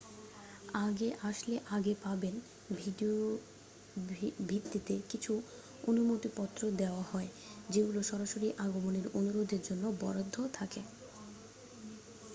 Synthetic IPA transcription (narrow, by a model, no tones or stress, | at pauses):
aɡeʔaʃleʔaɡepaben | bʱiɖioo | bʱit̪ːit̪ekit͡ɕʰu | onumot̪ipɔt̪ːɾod̪eoahɔe | d͡ʑeɡuloʃɔɾaʃoɾiʔaɡomoneɾonuɾod̪eɾd͡ʑonːobɔɾod̪ʱːot̪ʰake